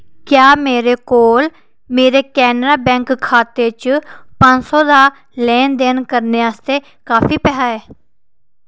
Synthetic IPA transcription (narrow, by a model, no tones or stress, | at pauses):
kjaːmeːɾeːkoːl | meːɾeːkɛːnɾaːbɛ̃ːŋkkʰːaːt̪eːt͡ʃpə̃nsõːd̪aː | lɛːnd̪eːnkəɾneːaːst̪eː | kaːfʰiːpɛːɦaːɛː